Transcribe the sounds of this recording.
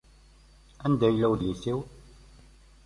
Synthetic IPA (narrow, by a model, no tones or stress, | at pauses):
ænd̪æjlːæwðliθiw